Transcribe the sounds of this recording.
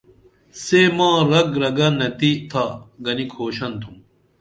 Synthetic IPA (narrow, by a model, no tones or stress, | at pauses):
seːmãːɾɐɡɾɐɡɐnɐt̪it̪ʰaːɡɐnikʰoːɕɐnt̪ʰum